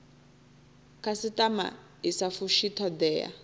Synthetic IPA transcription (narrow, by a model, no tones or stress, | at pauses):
kʰasitʼama̰ | isafuʃitʰɔd̪ɛa̰